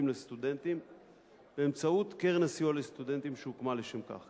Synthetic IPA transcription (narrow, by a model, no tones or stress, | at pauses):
imlest̪ud̪e̞nt̪im | beːmt͡saut̪keʁnasijolest̪ud̪e̞nt̪imʃeukmaleʃe̞mka̰χ